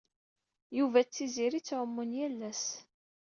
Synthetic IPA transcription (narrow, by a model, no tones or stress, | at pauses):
juvæt͡sːiziɾit͡sːʕəmːʊnjælːæs